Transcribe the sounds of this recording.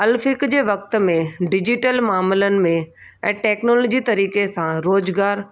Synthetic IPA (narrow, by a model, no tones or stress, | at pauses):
ɐlfɪkd͡ʑeːʋɐk̚t̪̆mẽɖɪd͡ʑɪʈəlmaːmɪlənɪ̆mẽ | ɛ̃ːʈɛːknoːloːd͡ʑit̪ɐɾiːkesãɾoːzɡaːɾ